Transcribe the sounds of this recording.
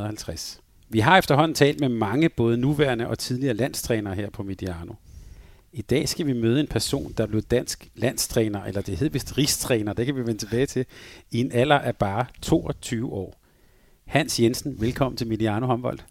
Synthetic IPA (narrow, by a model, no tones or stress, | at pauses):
hælt͡sʰʁas | ʋiɦɑ̈efd̥ɐɦɒ̽n̰n̩t͡sʰɛ̰ːld̥memɑ̈ŋəb̥ɔ̽ːð̞ˠənuʋæɐnəʔɒ̽t͡sʰið̞ˠliɐːlæn̰st͡sʰʁɛːnɐːɦeɐ̰pʰɒ̽mid̥iɑ̈ːno̝ | id̥ɛ̰ːsɡ̥æʋimøːð̞ˠe̝npʰæɐso̝̰ːnd̥ɑ̈b̥le̝ð̩ˠd̥æn̰sɡ̥læn̰st͡sʰʁɛːnɐʔelɐd̥e̝he̝ð̰ˠʋisd̥ʁist͡sʰʁɛːnɐd̥ekʰæʋiʋenət͡sʰe̝b̥ɛːɪt͡sʰe̝lie̝næl̰ɐʔæɐb̥ɑ̈ːt͡sʰo̝̰ːɒ̽t͡sʰyːʊəɒ̰ː | hæn̰sjensn̩ʋelkʰɒ̽mn̩t͡sʰe̝lmidiɑ̈ːno̝hɒ̽mb̥ɒ̽l̰d̥